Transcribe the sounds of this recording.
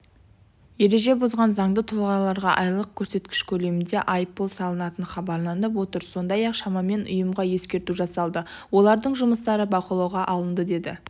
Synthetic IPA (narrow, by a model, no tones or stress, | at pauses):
je̞ɾe̞ʒe̞bozʁɑnzɑɴd̪ət̪ʰʊlˠʁɑlˠɑɾʁɑ̰ʔɑjlˠəq̚kʲʰɵɾse̞t̪kʲɪ̥ʃkʲʰɵle̞mɪnd̪e̞ʔɑjpːolˠsɑlˠənɑt̪ənχɑbɑɾlˠɑnəp̬wo̞t̪əɾso̞nd̪ɑjɑqʃɑmɑme̞nʊ̰jəmʁɑje̞skʲe̞ɾt̪uʒɑsɑlˠd̪ə | wo̞lˠɑɾd̪əɴʒʊməst̪ɑɾəbɑqəlˠɑwʁɑʔɑlˠənd̪əd̪e̞d̪ɪ̰